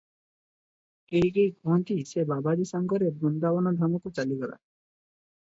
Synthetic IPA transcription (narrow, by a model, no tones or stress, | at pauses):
kejkejɡɔɦɔnt̪isebabad̪isaŋɡɔɾebɔnd̪abɔnɔd̪ʱɔmɔkut͡ʃaliɡɔɾa̰